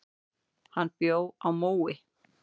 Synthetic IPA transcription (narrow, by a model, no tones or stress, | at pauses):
hanːpjoːwawmuːwɪ